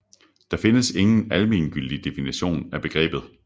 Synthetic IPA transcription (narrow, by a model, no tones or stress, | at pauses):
d̥ɑ̈fe̝nəse̝ŋn̩ælmḭnɡ̥yl̰d̥id̥e̝finiɕo̝̰ːnæb̥e̝ɡ̥ʁɛ̰ːb̥ð̞̩ˠ